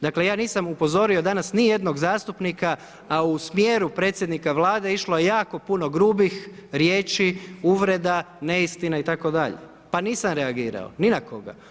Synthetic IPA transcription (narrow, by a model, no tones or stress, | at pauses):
d̪akle̞jaːniːsamupo̞zo̞ɾio̞d̪anasnije̞d̪no̞ɡzaːst̪upnikaː | usmje̞ɾupɾe̞ːt̪sje̞d̪nikaʋlaːd̪e̞iʃloje̞jaːko̞puno̞ɡɾuːbixɾje̞ːt͡ʃiuːʋɾe̞d̪a | ne̞ist̪inait̪ako̞d̪aʎe̞̰ | paniːsamɾeaɡiːɾa̰o̰ninako̞ɡa̰